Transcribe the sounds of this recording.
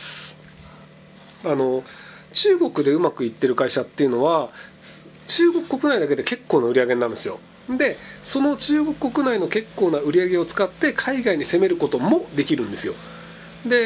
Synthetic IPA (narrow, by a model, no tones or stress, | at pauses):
ano̞ | t͡ɕɨːɡo̞kɯ̟d̪e̞ɯ̟makɯ̟it̪ːe̞ɾɯ̟kaiɕat̪ːe̞iɯ̟no̞βa | t͡ɕɨːɡo̞kɯ̟̥kːo̞kɯnaid̪ak̬e̞d̪e̞ke̞kːo̞ːnaɯ̟ɾʲiaɡẽ̞nːãnd̪e̞sɨjo̞̰ | d̪e̞so̞no̞t͡ɕɨːɡo̞kɯ̟kːo̞kɯ̟naino̞ke̞kːo̞ːnaɯ̟ɾʲiaɡe̞o̞t͡sɨ̥kat̪ːe̞kʰaiɡaiɲ̟ise̞me̞ɾɯ̟ko̞t̪o̞mo̞d̪e̞kʲiɾɯ̟̃nd̪e̞sɨjo̞̰ | d̪e̞